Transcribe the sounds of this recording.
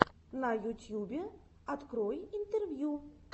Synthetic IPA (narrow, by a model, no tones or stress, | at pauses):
nɐjutʲjubʲɛ | at̪kɾɔjint̪ɛrvʲju